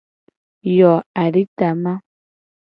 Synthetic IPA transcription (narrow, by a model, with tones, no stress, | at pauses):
jɔ˨a˨ɾi˦t̪a˨mã˦